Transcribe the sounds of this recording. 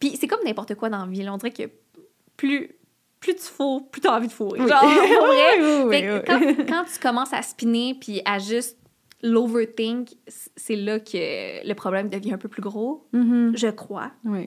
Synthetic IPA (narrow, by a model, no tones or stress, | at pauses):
pisɛkɔmnɛ̃pɔʁt̪əkwad̪ɑ̃vilɔ̃d̪ziʁɛkə̰ | ply | plyt̪y̥foʁplyt̪ɔɑ̃vid̪əfoːʁḛʒɑ̃ɔʁɛiwiwfɛikɑ̃kɑ̃t̪y̥kɔmɑ̃sa̰spinepʰiaʒyst̪̚ | lovət̪ɪ̃ŋkssɛlʌkʲʰələpχɔblɛ̃md̪əvjɛ̃œ̃pøplyɡʁo | ʒəkχwa̰wɛ